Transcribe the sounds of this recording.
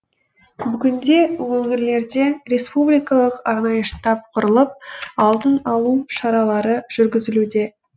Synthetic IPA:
bʏɡʲɪnd̪e̞wɵŋɪɾle̞ɾd̪e̞ɾe̞spublijkɑlˠəqɑɾnɑjəʃt̪ɑp̚qʰʊɾəlˠəp̚ɑlˠd̪ənɑlˠuʃɑɾɑlˠɑɾəʒ̥ʏɾɡʲɪzɪlud̪e̞

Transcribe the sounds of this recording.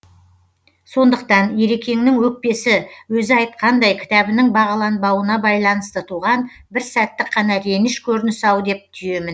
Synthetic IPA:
so̞nd̪əq̚t̪ɑnje̞ɾekʲʰe̞ŋnɪŋwɵk̚pe̞sɪwɵzɪɑjt̪̚qɑnd̪ɑjkʲʰɪ̥t̪ɑbɪnɪŋbɑʁɑlˠɑnbɑwənɑbɑjlˠɑnəst̪ət̪ʰuʁɑn | bɪɾsæt̪ːɪqʰːɑnɑɾe̞nɪʃkʲʰɵɾɪnɪsɑwd̪e̞p̚t̪ʰʏje̞mɪn

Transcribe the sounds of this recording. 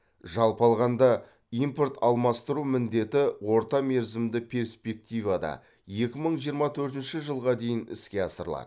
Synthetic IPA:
ʒɑlˠpɑlˠʁɑnd̪ɑ | import̪ʰɑlˠmɑst̪əɾumɪnd̪e̞t̪ɪwo̞ɾt̪ɑme̞ɾzɪmd̪ɪpʰʲe̞ɾspe̞k̚t̪ijvɑd̪ɑ̰ | je̞kʲɪməɴʒijəɾmɑt̪ʰɵɾt̪ɪnʃɪʒəlˠʁɑd̪e̞jɪnɪ̰skʲe̞ɑsəɾəlˠɑ̰d̪ə

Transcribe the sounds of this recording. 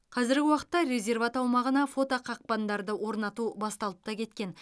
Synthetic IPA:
qʰɑzɪɾɡʲɪwɑqə̥t̪ːɑɾe̞zʲe̞rvat̪ɑwmɑʁənɑfo̞t̪oqʰɑq̚pɑnd̪ɑɾd̪əwo̞ɾnɑt̪ubɑst̪ɑlˠəp̚t̪ɑkʲʰe̞t̪kʲe̞n

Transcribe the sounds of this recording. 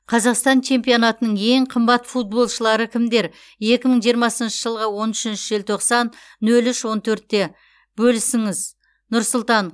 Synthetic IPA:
qʰɑzɑqst̪ɑnt͡ʃʰe̞mpijonɑt̪ənəɴe̞ɴqʰəmbɑt̪fut̪̚bo̞lˠʃəlˠɑɾəkʲʰɪmd̪e̞ɾ | je̞kʲɪməɴʒijəɾmɑsənʃəʒəlˠʁəwo̞nʏʃɪnʃɪʒelt̪ʰo̞qsɑnː | ɵlʏʃwo̞nt̪ʰɵɾt̪̚ːe̞ | bɵlɪsɪŋɪz | nʊɾsʊlˠt̪ɑn

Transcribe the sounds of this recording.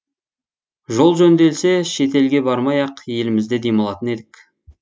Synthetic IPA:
ʒo̞lˠʒɵnd̪e̞lse̞ʃe̞t̪e̞lɡʲe̞bɑɾmɑjɑqje̞lɪmɪzd̪e̞d̪ejməlˠɑt̪əne̞d̪ɪkʲ

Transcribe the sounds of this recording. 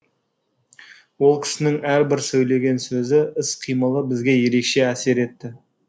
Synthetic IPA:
wo̞lˠkʲʰɪ̥sɪnɪŋæɾbɪɾsɵjle̞ɡʲe̞nsɵzɪɪsqʰijməlˠəbɪzɡʲe̞je̞ɾe̞kʃe̞æse̞ɾe̞t̪ːɪ

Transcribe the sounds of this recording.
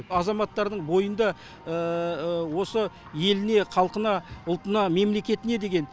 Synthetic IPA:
ɑzɑmɑt̪ːɑɾd̪əɴbo̞jənd̪ɑ | əwo̞sə | je̞lɪne̞qʰɑlˠqənɑʊlˠt̪ənɑme̞mle̞kʲe̞t̪ɪne̞d̪e̞ɡʲe̞n

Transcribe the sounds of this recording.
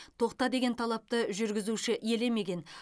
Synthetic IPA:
t̪ʰo̞qt̪ɑd̪e̞ɡʲe̞nt̪ʰɑlˠɑp̚t̪əʒʏɾɡʲɪzuʃɪʔje̞le̞me̞ɡʲe̞n

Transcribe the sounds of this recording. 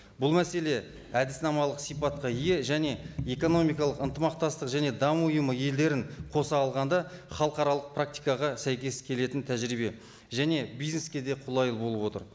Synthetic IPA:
bʊlˠmæse̞le̞ | æd̪ɪsnɑmɑlˠəqsijpɑt̪̚qɑije̞ʒæne̞e̞ko̞no̞mijkɑlˠəqənt̪əmɑq̚t̪ɑst̪əqʒæne̞d̪ɑmʊjəməje̞ld̪e̞ɾɪɴqʰo̞sɑːlˠʁɑnd̪ɑχɑlˠqɑɾɑlˠəq̚pʰrak̚t̪ijkɑʁɑsæjkʲe̞skʲʰe̞le̞t̪ɪnt̪ʰæʒɾibe̞ | ʒæne̞bijzne̞skʲe̞d̪e̞qʰʊlˠɑjəlˠbo̞lˠəbwo̞t̪ə̰ɾ

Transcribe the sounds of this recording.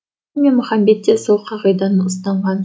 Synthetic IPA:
mʲenmʊχɑmbe̞t̪ːesolˠqʰɑʁɑjd̪ɑnəʊs̬t̪ɑɴʁɑn

